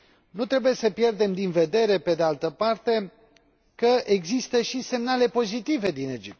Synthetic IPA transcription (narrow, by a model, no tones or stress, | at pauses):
nut̪ɾe̞buje̞səpje̞rd̪e̞md̪inve̞d̪e̞ɾe̞ped̪e̞alt̪əpart̪e̞ | kəʔe̞ɡzist̪əʃise̞mnale̞po̞zit̪ive̞d̪ine̞d͡ʒip̚t̪